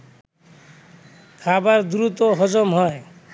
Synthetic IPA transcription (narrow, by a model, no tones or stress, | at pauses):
kʰabaɾd̪uɾut̪oɦɔd͡ʑomɦɔe